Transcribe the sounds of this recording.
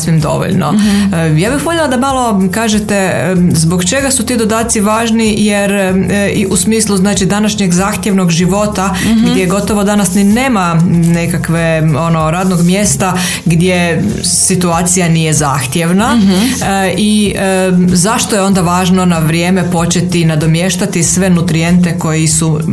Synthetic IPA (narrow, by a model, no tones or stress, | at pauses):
sʋimd̪o̞̰ʋo̰ʎno̰jaːbixpomɲelˠad̪amalˠo̞kaːʒet̪e | zbo̞kt͡ʃe̞ɡasut̪iːd̪od̪aːt̪siʋaːʒnijeɾiʔusmiːslˠuznaːt͡ʃid̪anaʃɲeɡzaːxt̪jeʋno̞ɡʒiʋo̞t̪aɡd̪jeɡo̞t̪o̞ʋo̞d̪anasnineːmanekakʋeonoɾaːd̪no̞ɡmje̞ːst̪a | ɡd̪je̞ | sit̪uaːt̪sijanijeza̰ːxt̪je̞ʋna | i | zaʃt̪ojeo̞nd̪aʋaːʒno̞naʋɾjeːmepo̞t͡ʃe̞t̪inad̪o̞mjeʃt̪at̪isʋenut̪ɾije̞nt̪e̞ko̞jisu